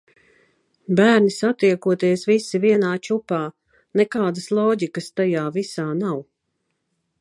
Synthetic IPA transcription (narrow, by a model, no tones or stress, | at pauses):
bæːɾnisat̪iɛkuɔt̪iɛsvisiviɛnaːt͡ʃupaː | nɛkaːd̪əslˠɔːɟikəst̪ajaːvisaːnaw